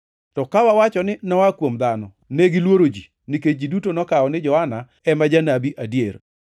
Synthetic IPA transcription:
tɔkawawat͡ʃɔnɪnɔwakwomd̪anɔ | neɡɪlwoɾod͡ʒi | niket͡ʃ̚d͡ʒidutonɔkaɔnɪd͡ʒɔhana | ɛmad͡ʒanabiʔadjer

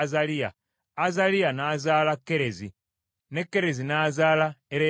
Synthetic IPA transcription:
zalija̰ː | zalianaːzaːlakːe̞ɾe̞zḭ | ne̞kːe̞ɾe̞zinazaːlaeɾe

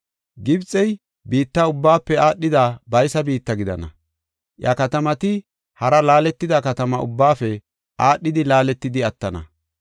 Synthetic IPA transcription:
ɡɪbt͡sʼɛj | biːt̪ːɐʊbːaːpːɛaːɗːɪd̪abɐjsɐbiːt̪ːɐɡɪd̪ɐ̰nɐ̰ | ʔjɐkɐt̪ɐmɐt̪ɪ | hɐɾɐlaːlɛt̪ːɪd̪ɐkɐt̪ɐmɐʊ̰bːaːfɛ | ʔaːɗːɪd̪ɪlaːlɛt̪ːɪd̪ɪɐt̪ːɐnɐ̰

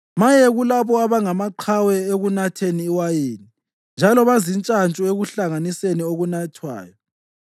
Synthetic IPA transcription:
majɛɣulaβɔaβaŋamaǃʰawɛeɣunatʰeniːwajeːni | nd͡ʒʱalɔβazint͡ʃʼant͡ʃʼueɣuɬaŋanisenioɣunatʰwa̰ːjɔ

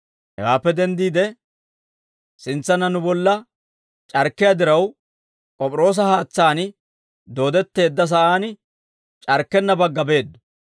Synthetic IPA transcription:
hɛ̰waːpːɛd̪ɛnd̪iːd̪ɛ | sɪnt͡sːɐnɐnʊbɔlːɐ | t͡ʃʼɐɾkːɪjad̪ɪɾɐw | kʼɔpʼɾo̞ːs̬ɐhaːt͡sːaːn | d̪o̞ːd̪ɛt̪ːe̞ːd̪ːɐs̬ɐʔaːnɪ | t͡ʃʼɐɾkːɛnːɐbɐɡːɐbe̞ːd̪ːʊ̥

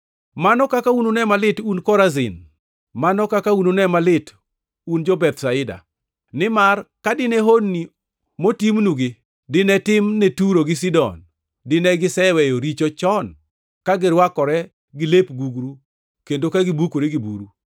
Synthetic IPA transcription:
manɔkakaunonɛmalɪtunkɔɾazɪ̰n | manɔkakaunonɛmalɪt | und͡ʒɔbɛt̪saɪda̰ | nɪmarkadɪnɛɦonːi | motimnuɡɪ | dɪnɛtɪmnetuɾoɡɪsidɔ̰n | dɪnɛɡɪsɛwɛjoɾit͡ʃot͡ʃɔn | kaɡɪɾwakɔɾɛ | ɡɪlepɡuɡɾu | kendokaɡɪbukoɾeɡibṵɾu

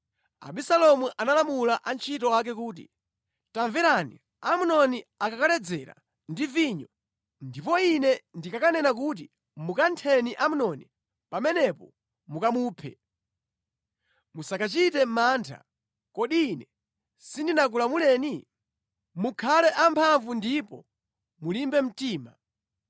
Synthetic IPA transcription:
a̰ɓisalɔmuʔanalamulaʔant͡ʃʰitɔwak̬ɛkuːt̬ḭ | taɱvɛɾanḭ | amunɔniakakalɛd͡zɛɾa̰ | ndiviɲɔ | ndipɔinɛndikakanɛnak̬uːt̬i | mukantʰɛniʔamunɔni | pamɛnɛpɔ | mukamuːpʰɛ̰ | musakat͡ʃitɛmaːntʰa̰ | kɔɗiːnɛ | sindinak̬ulamulɛːni | mukʰalɛʔampʰaɱvundipɔ̰ | mulimbɛm̩tiːma

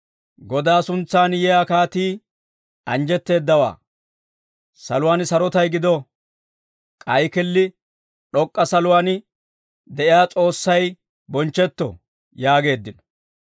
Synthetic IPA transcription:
ɡɔd̪aːsʊnt͡sːaːnjɛjaːkaːt̪iː | ɐnd͡ʒɛt̪ːe̞ːd̪ːɐwa̰ː | sɐ̰lʊwaːnsɐɾɔt̪ɐjɡɪd̪ɔ | kʼɐjkɪlːɪ | ᶑɔkʼːɐsɐlʊwaːn | d̪ɛʔɪjaːt͡sʼo̞ːsːɐj | bɔnt͡ʃːɛt̪ːɔ̰ | jaːɡe̞ːd̪ːɪnɔ̥

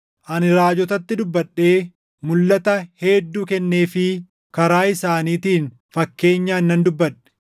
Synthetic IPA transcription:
ʔɐnɪɾaːd͡ʒɔt̪ɐt̪ːɪd̪ʊbːɐɗːeː | mʊlːɐt̪ɐhɛːd̪ːuːkɛnːe̞ːfɪ | kɐɾaːɪsaːniːt̪iːn | fɐkːe̞ːɲːaːɪnːɐnd̪ʊbːɐᶑɛ̥

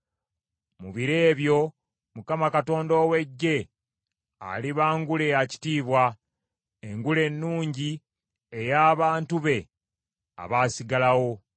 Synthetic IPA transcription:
muβiɾe̞ːβjo̞ | mukamakato̞ːndo̞ːwe̞ɟːe̞ | a̰liβaːŋɡule̞aci̥tiːβwa | eŋɡule̞nːuːɲɟi | ejaːβaːntuβe̞ | a̰βaːsiɡalawo̞

